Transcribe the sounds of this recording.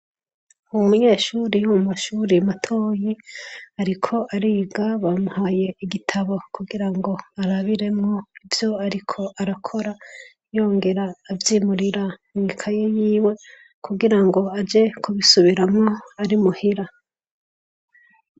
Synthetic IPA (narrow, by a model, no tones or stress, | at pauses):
uumuɲe̞ːʃuːɾijumumaʃuːɾiamatʰo̞ːjiaɾikʰo̞ʔaɾiɡaβamuhaːje̞iɡitʰaβo̞kuɡiɾaŋɡo̞aɾaβiɾe̞mŋo̞ivjo̞aɾikʰo̞ʔaɾakʰo̞ɾa | jo̞ːŋɡe̞ɾaːvjiːmuɾiɾamŋikʰajejiːwe̞ | kʰuɡiɾaŋɡo̞ad͡ʒe̞kʰuβisuβiɾamŋo̞aɾimuhiɾa